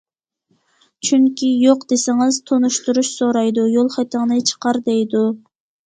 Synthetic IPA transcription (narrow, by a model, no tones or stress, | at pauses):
t͡ʃʰyŋkʲʰijoqd̪esɪŋɪz̥t̪ʰonuʃt̪uɾuʃsoɾɑjd̪ujolˠχɛt̪əŋnɨt͡ʃʰə̥qʰɑɾd̪ɛjd̪u